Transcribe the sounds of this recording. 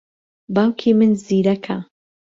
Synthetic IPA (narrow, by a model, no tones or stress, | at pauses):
baːwkʰimɨnziːɾɐkʰa